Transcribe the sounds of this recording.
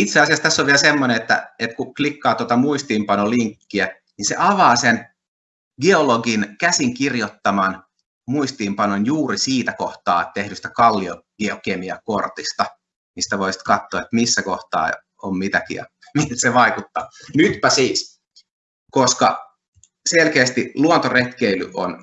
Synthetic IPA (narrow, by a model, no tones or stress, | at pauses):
it̪seɑsiɑst̪æsːoʋʋieælsemːoneet̪ːæ̰et̪kuklikːɑːt̪ot̪ɑmuist̪iːmpɑnoliŋkːiæ | ninsḛʔɑʋɑːsen | ɡeoloɡinkæsiŋkirjot̪ːɑmɑn | muist̪iːmpɑnonjuːɾisiːt̪ækoht̪ɑ̰ːt̪ehdyst̪ækɑlːioɡ̥eokemiɑkort̪ist̪ɑ | mist̪æʋoisi̥t̪kɑt̪ːoːet̪misːækoht̪ɑ̰ː | ommit̪ækiɑ̰ | mit̪seʋɑikut̪ːɑ̰ːnyt̪pæsiːs | koskɑ̰ | selkeːst̪iluont̪oret̪keilyʔo̰n